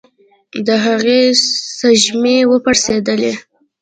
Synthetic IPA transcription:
d̪əɦaɣesaʒmewəpaɾsed̪əle

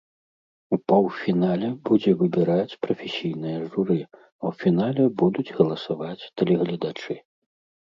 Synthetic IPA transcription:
upɐwfʲinalʲɛbud͡zʲɛvɨbʲɛɾat͡sʲpɾɐfʲesʲijnɨjɐʐuɾɨ | ɐwfʲinalʲɛbud̪ud͡zʲɣɐlˠɐsavat͡sʲt̪ɛlʲɛɣlʲɐd̪at͡ʂɨ

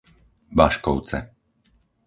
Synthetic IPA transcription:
baʃkɔʊt͡sɛ̰

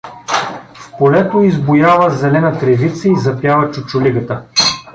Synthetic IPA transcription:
fpolɛt̪oizbʊjavəzɛlɛnət̪ɾɛvit̪səizɐpjavət͡ʃʊt͡ʃʊliɡət̪ə

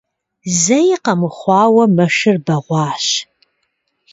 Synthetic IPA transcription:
zɐjiqɐmɨχʷɑːwɐmɐʃɨrbɐʁʷɑːɕ

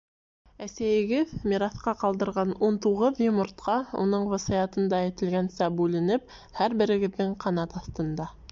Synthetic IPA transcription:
æsæjɘ̆ɡɘðmʲiɾɑθqɑqɑlˠd̪ɤ̆ɾʁɑnunt̪uʁɤðjɪmort̪̚qɑṵnɤɴwɤ̆sɤjɑt̪ɤ̆nd̪ɑjɘ̆t̪ɘ̆lɡænsæbʉlɘ̆nɘp̚ | hæɾbɘ̆ɾɘ̆ɡɘ̆ðːɘɴqʰɑnɑt̪ɑθt̪ɤ̆nd̪ɑ

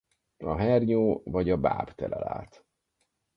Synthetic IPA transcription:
ɒɦɛrɲoːvɒɟɒbaːpt̪ɛlɛla̰ːlt̪

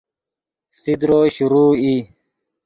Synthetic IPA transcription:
sid̪ɾoːɕuɾuːi

